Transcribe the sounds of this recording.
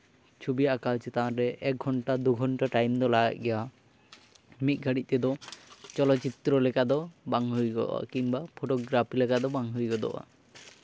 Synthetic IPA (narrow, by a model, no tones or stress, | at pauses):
t͡ʃʰubijaʔakalt͡ʃɛt̪aʔãɾɛʔɛk̚ɡʱɔɳʈad̪uɡʱɔɳʈaʈajmd̪ɔlaɡa̰t̪̚ˀɡɛja | mit̪̚ˀɡʱaɽit̪̚ˀt̪ɛd̪ɔt͡ʃɔlɔt͡ʃit̪ɾɔlɛkad̪ɔbaŋɦujɡɔ̰ʔa̰kiŋbapʰoʈɔɡɾapʰilɛkad̪ɔbaŋɦujɡɔd̪ɔ̰ʔa̰